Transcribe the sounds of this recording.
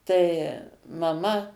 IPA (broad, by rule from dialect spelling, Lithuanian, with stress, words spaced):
tɐɪ mɐˈmɐ